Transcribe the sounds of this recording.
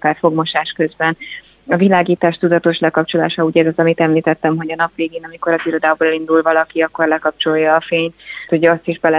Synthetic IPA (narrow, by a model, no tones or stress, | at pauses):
kaːrfo̞ɡmo̞ʃaːʃkø̞zbɛn | ɒvilaːɡiːt̪aːʃt̪ud̪ɒt̪o̞ʃlɛkɒpt͡ʃo̞la̰ːʃɒuːɟɛzɒzɒmit̪ɛmliːt̪ɛt̪ːɛmɦo̞ɟɒnɒpveːɡeːnɒmiko̞ɾɒziɾo̞d̪aːbolɛlind̪ulvɒlɒkiɒkːo̞rlɛkɒp̚t͡ʃojːɒːfeːɲt̪uɟɒst̪iʒbɛlɛ